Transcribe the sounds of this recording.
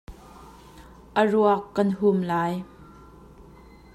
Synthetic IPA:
ʔəruəkːɐnɦumlaːj

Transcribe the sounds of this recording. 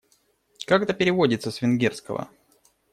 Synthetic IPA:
kakt̪əpʲɪɾʲɪvodʲɪt̪səsvʲɪnɡʲerskə̰və̰

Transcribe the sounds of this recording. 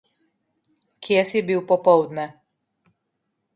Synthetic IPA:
kjesɛbiwpɔpɔwd̪nɛ

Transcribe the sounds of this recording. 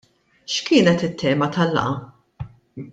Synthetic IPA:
ʃkɪːnɛt̪ɪt̪ːɛːmɐt̪ɐlːɐ̰ʔɐ

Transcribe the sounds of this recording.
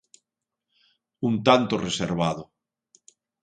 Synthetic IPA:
unt̪ant̪oreseɾβaðo

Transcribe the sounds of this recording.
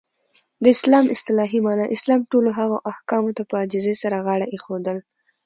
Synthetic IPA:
d̪əɪslɑmɪst̪ɪlɑɦimɑnaʔɪslɑmʈoloɦaɣoʔahkɑmot̪apəad͡ʒɪzesaɾaɣaɽaʔexod̪əl

